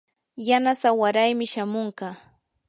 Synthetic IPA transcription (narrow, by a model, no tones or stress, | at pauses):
janasawaɾajmɪʃamoɴɢɑ